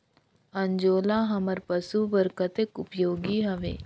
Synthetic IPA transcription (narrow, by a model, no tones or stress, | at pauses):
ɐɲd͡ʒoːlaːɦɐməɾpəsubəɾkət̪ekʊpjoːɡiɦɐʋḛː